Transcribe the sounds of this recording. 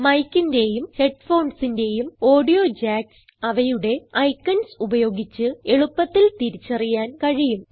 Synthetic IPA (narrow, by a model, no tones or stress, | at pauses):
mɐjkːinde̞jumhe̞ʈfo̞ːɳsinde̞jumo̞ːɖijo̞ːd͡ʑaːks | ɐʋɐjuɽe̞ɐjkːɐnsubɐjo̞ːɡit͡ɕːɨe̞ɭupːɐt̪ːilt̪iɾit͡ɕːɐrijaːnkɐɻijum